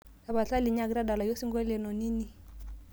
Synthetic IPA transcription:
sa˨ba˨ɬa˦li˨ɲ˦a˦˨ki˦ɾa˦da˨la˨jɔ˦si˦ŋɡɔ˦lɛ˨nɔ˨ni˦ni˦

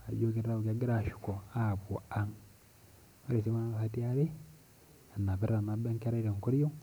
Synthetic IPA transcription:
a˨jo˦ke˦ɾɾa˦o˨kaɡe˦ɾaʃu̥˨ko˨aβo˨a˦ŋ | o˦ɾe˨se˦βa˦na˦ahat̬ia˦βe˦ | a˨na˨βe˦ɾɾa˨na˦ba˦ŋka˦ɾa˦iɾe˨ŋko˦ɾjo˦

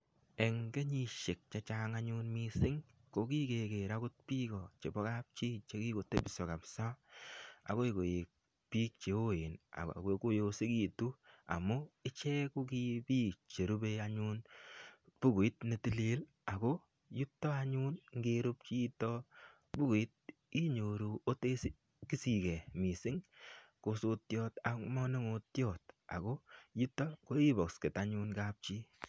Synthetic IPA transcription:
ɛ˨ŋɡe˦ɲi˦ʃe˨k̚t͡ʃa˨t͡ʃa˦ŋaɲu˦nmi˦sɪ˦ŋ | ko˦k̬i˦ke˨ke˨ɾa˦kʊ˦t̚pi˦kɔ˨t͡ʃe˨bɔ˦ka˦p̚t͡ʃi˦t͡ʃe˦ki˦ko˨tːe˦bɪ˨sɔ˨ka˨psa˦ | a̰˨ko˦e˨ko˨je˨k̚ | pi˦k̚t͡ʃe˨o˦je˨na̰˨a̰˨keko˦jo˧si˦ki˦˨tu˦a̰˨mʊ˦ɪ˦t͡ʃɛ˦ku˦ki˦piː˦k̚t͡ʃe˨ɾu˦be˦a˦ɲu˦n | pu˦ku˨i˦tne˨ti˦le˦l | a˨ko˦ | ju˦tːɔ˦a˦ɲu˦nŋ˦ɡe˧ɾu˦p̚t͡ʃi˦tɔ˦ | bu˦ku˨i˦t̚ | i˦ɲo˨ɾu˨o˦te˦si˦ | ki˦si˨kɛ˨mi˨sɪ˦ŋko˧so˧tjɔ˦ta˨kmɔ˦ne˦ŋo˧tjɔ˦˨t̚a̰˨ko˦ju˦tːɔ˦ko˦i˦bɔ˨kske˨ta˦ɲu˦nka˦p̚t͡ʃi˦

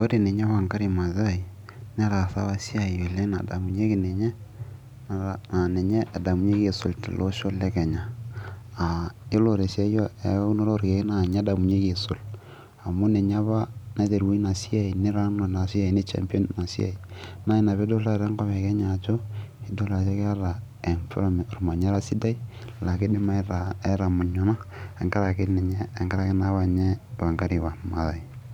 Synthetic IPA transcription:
o˦ɾe˨ne˨ɲa˦βa˦˨ŋka˦ɾi˨ma˨za˦˨i˨ | nɛ˦ɾa˨sa˦wa˦si˦a˨i˨o˨lɛ˦na̰˨da̰˨mu˨ɲe˦ki˨nɛ˨ɲɛ˦ | na˨na˨nɛ˨ɲɛ˦ʔːda˨mu˨ɲe˦ke˨so˨ltḭ˨lʔo˦ʃo˦lɛ˦kɛ˨ɲa˨ | a˨ɪ˦lo˨ɾe˨sja˦jɔ˦ɛ˨˦kno˦ɾo˦ɾke˨ki˦na˨ɲɛ˦da˨mu˨ɲe˦ke˨sʊ˨l | a˨mʊ˦nɛ˨ɲa˦βa˦na˦te˨ɾwu˦i˦na˨si˦a˦i˨nɪ˦ɾa˦n˨na˨si˦a˨i˨nɪ˦t͡ʃa̰˨mpɔ˦nːa˨sḭ˦a̰˨i˨na˦i˦na˨βɛ˦do˦la˦˨ɾɛ˦ŋkɔ˦βɛ˨kɛ˦ɲa˨t͡ʃɔ˦i˦do˦la˨t͡ʃe˦kɛ˦a˦ɾa˨ | ɛ˨nfɾm˨ɾma˨ɲa˦ɾa˦si˦da˦i˦ | la˨kɪ˦dɪ˦ma˦a˨ɛ˦ɾa˨mʊ˨ɲɔ˨˦na˦ɛ˨ŋka˦ɾa˨kɪ˦nɛ˨ɲɛː˦˨ŋka˦ɾa˨kɪ˦na˦βa˨ɲɛ˦ba˨ŋɡa˦ɾi˨wa˨nma˨˦ða˨i˨

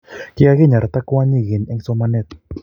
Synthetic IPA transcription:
kɪ˦a˦ɣɪ˦ɲa˨ɾa˨t̪a˦kʊ˦wa˦ɲi˦˨ɣɪ˨nɛ˦ŋsɔ˦ma˦nɛ˦t̪

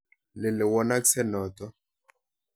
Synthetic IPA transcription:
lɪ˨le˨wɔ˦na˦ksɛ˦nɔ˨tɔ˦

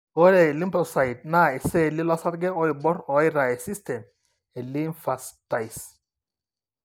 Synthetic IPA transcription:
ɔ˦ɾɛ˨li˦mpɾɔsajd̚na˦e˨sɛ˦li˦la˦saɾɡɛ˦ɔ˦ibɔ˦ɾɔ˨iɾa˨esistɛ˨m | e˨li˦nfasta˨js

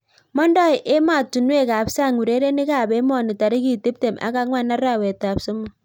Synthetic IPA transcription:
mɔ˦ndɔ˦jʔe˦ma˨tu˨n˦e˦˨ka˨bsa˦˨ŋu˨ɾe˦ɾe˦nɪ˦ka˨be˦mɔ˦˨nɪ˨ta˨ɾɪ˦ki˦˨ti˦p̚te˨mʔa̰˦ka˦kŋwa˦˨na˦ɾa˦˨we˨ta˨bso˦mʊ˦˨

